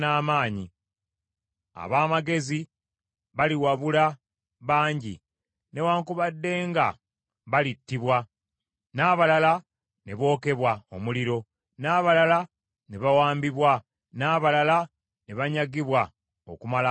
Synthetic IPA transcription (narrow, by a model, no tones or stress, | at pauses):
naːmaːɲi | a̰βaːmaɡe̞zi | βaliwaβula | βaːɲɟḭ | ne̞waːŋkuβadːe̞ːŋɡa̰ | βalitːiβwa | naːβalala | ne̞βo̞ːke̞βwaomuliɾo̞ | naːβalala | ne̞βawaːmbiβwa | naːβalala | ne̞βaɲaɡiβwa | o̰kumala